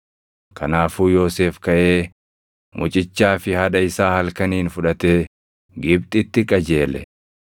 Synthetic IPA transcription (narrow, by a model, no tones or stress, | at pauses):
kʰɐnaːfuːjo̞ːse̞ːfkɐʔe̞ː | mʔʊt͡ʃʼɪt͡ʃːaːfɪhɐᶑɐɪsaːhɐlkɐniːnfʊᶑɐt̪eː | ɡɪb̚t̪ʼɪt̪ːɪkʼɐd͡ʒe̞ːlɛ̰